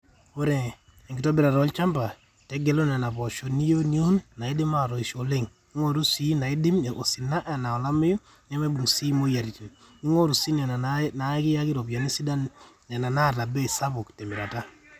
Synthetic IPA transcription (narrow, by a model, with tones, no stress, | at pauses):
wo˦ɾɛ˨ | ɛ˨ŋɡɪ˨tɔ˦bɪ˦ɾa˨ɾɔ˨˦lt͡ʃa˦mba˨ | tɛ˦ɡɛ˨lo˦nɛ˨na˨pɔ˨ʃo˨ni˦jo˦ni˦o˦nːa˨ɪ˦dɪ˦ma˦˨ɾɔ˨i˨ʃo˨le˦ŋ | i˦ŋo˦˨ɾu˦si˦na˨ɪ˦dɪ˦m˨ʔo˨si˨na˦ʔɛ˨na˨ɔ˨la˦mɪ˦jo˦ | nɛ˦mɛ˦bu˨ŋsiː˦mo˦ja˨ɾi˨t͡ʃi˨ | i˦ŋo˦ɾu˨si˦nɛ˨a˨na˨˦kɪ˦ja˦kɪ˦ɾo˨pja˨ni˦si˦da˦ | nɛ˨na˨na˦˨ta˨bɛ˦˨sa˦βʊ˨kte˨mi˨ɾa˨ta˦